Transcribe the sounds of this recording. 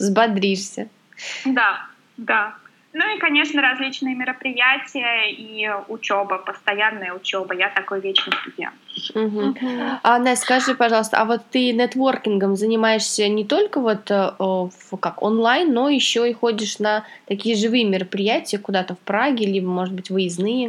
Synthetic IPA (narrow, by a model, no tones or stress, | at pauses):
zbɐd̪ɾʲiʂsʲə | d̪a | d̪a | nuikɐnʲe̞ʂnəɾɐzʲlʲit͡ɕnɨjəmʲɪɾəpɾʲɪjætʲɪjəiʊt͡ɕobəpəst̪ɐjanːəjəʊt͡ɕobəjat̪ɐko̞jvʲet͡ɕnəjst̪ʊdʲjḛt̪m̩ɦm̩anaskɐʐɨpɐʐɑlˠəst̪ə̰avo̞t̪ːɨnɛt̪vo̞rkʲɪnɡəmzənʲɪmajɪʂsʲənʲɪt̪o̞lʲkəvo̞t̪əəvkakonlˠajnːo̞jɪɕːo̞ɪxo̞dʲɪʂnət̪ɐkʲijəʐɨvɨjəmʲɪɾəpɾʲɪjætʲɪjəkʊd̪at̪əfpɾaɡʲɪlʲibəmo̞ʐɨt̪̚bɨtʲvɨjɪznɨjə